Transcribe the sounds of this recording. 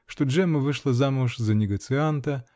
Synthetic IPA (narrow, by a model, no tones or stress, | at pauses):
ʂt̪oʐɛmɨvɨʂlˠɐzamʊʂzɐnʲɪɡɐt̪sɨant̪ɐ